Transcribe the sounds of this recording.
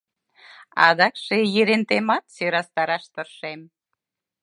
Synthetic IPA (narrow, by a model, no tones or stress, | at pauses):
ɑ̰d̪ɑkʃejiɾent̪emɑt̪søɾɑst̪ɑɾɑʃt̪ərʃem